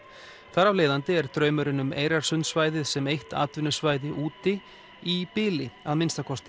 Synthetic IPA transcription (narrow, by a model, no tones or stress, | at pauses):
θaɾavleːðant̪ɪɛɾ̥t̪ɾœːɥmʏɾɪnʏmeːjɾaɾ̥sʏnsvaːjðɪðsɛmejht̪a̰ːt̪vɪnːʏsvaːjðɪʔuːt̪ɪ | ipɪːlɪaðmɪnst̪akʰɔst̪